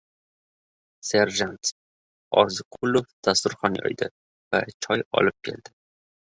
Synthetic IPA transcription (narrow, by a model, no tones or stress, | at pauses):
se̞ɾʒant̪ | ɒ̰zɪqʰʊlˠofd̪̥ast̪ʊɾχɒnjɒ̰jd̪ɪ | vat͡ʃʰɒjɒ̰lɪp̚kʲʰe̞̰ld̪̥ɪ